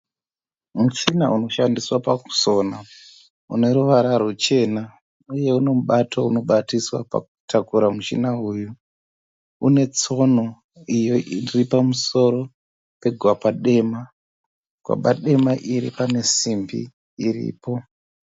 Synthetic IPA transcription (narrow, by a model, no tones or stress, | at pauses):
mut͡ʃinaʔuno̞ʃandiswapaku̥so̞na | ṵne̞ɾuʋaɾarot͡ʃe̞na | uje̞une̞muɓatʰouno̞ɓatiswa̰pa̰k̚u̥tʰakuɾamut͡ʃḭnauːju | une̞t͡so̞no | ijo̞iiripamuso̞ɾo̞ | pe̞ɡʱwapaɗe̞ma | ɡ̥ʱwa̰paɗe̞maʔiɾḭpane̞simbḭː | rḭːpo̞